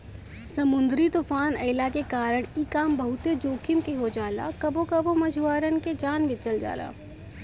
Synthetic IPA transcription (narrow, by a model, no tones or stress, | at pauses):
sɐmʊ̃nd̪ɾit̪ufaːnəɪlakekaːɾəɽ̃ikaːmbɐɦʊt̪ed͡ʒoːkʰɪmkeɦod͡ʒaːla̰kɐbokɐbomɐd͡ʒʱuaːɾənked͡ʒaːnʋɪt͡ʃəld͡ʒa̰ːla̰ː